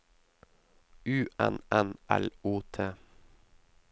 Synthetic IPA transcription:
ʉːʔɛnɛnʔɛluːt̪ʰeː

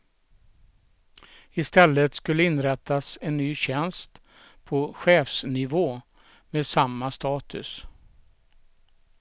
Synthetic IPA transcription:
ɪst̪ɛlːət̪skɵlːəɪnɾɛt̪ʰːasɛnːyːɕɛnst̪ | pʰɔɧeːfsnɪvoː | meːd̪samːast̪ɑːt̪ʰɵ̰s

